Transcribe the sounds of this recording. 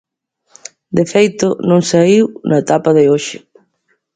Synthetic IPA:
d̪efejt̪ʊnõŋsaiwnɐet̪apaðɪoʃɪ

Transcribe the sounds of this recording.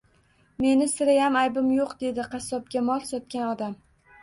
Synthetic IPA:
me̞nɪsɪɾɪjamajbɪmjoqd̪e̞d̪ɪqʰɑsɒp̚ɡʲamɒlˠsɒt̪̚kʲanɒd̪am

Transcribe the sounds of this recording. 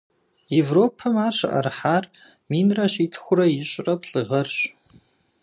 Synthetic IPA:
evroːpʰɐmaːrɕɐ̰ʔɐ̰rħaːr | miːnrɐɕiːtʰxʷʊɾɐjɪɕʼrɐpɬʼɨʁɐrɕ

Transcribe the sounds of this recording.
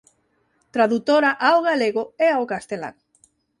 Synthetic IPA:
t̪ɾaðut̪oɾaʔaoɣaleɣoeaokast̪ela̰ŋ

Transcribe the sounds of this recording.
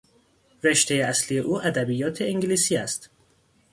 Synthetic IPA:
re̞ʃt̪ʰe̞jeæslije̞ʔuːʔæd̪æbijɒːt̪ʰeeŋɟliːsiːæst̪

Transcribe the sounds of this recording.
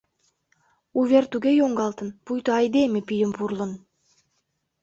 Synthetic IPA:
uvʲert̪uɡejoŋɡɑlˠt̪ɯnpujt̪uajd̪emepijɪmpuɾlˠɤn

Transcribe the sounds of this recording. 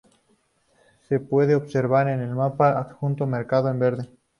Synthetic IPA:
se̞pwe̞ðeoβseɾβaɾene̞lmapaːkxunt̪omeɾkaðoembe̞ɾðe

